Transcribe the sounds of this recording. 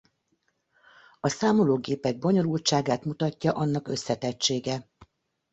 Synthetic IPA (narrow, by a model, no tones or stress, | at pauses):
ɒsaːmo̞loːɡeːpɛɡ̚bo̞ɲo̞lult͡ʃaːɡaːt̪mut̪ɒcːɒʔɒnːɒkø̞sːɛt̪ɛt͡ʃːeːɡɛ